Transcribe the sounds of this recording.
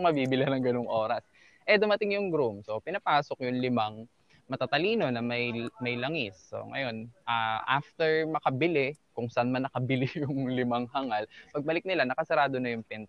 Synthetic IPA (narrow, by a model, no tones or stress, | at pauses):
ŋmɐbiːbɪlanɐŋɡɐnoŋʔo̞ːɾɐs | ʔɛd̪ʊmɐt̪ɪŋjʊŋɡɾumso̞pɪnɐpaːsok̚jʊŋlɪmaŋ | mɐt̪at̪ɐliːno̞nɐmɐjmɐjlɐŋɪsːo̰ŋɐ̰jo̞nʔaːʔaft̪ɛɹmɐkɐbɪlɪkʊŋsɐʔanmɐnːɐkɐbɪlɪjʊŋlɪmaŋɦɐŋalpɐɡ̚bɐlɪk̚nɪlanɐkɐsɛɾaːd̪o̞nɐjʊŋpɛnt̪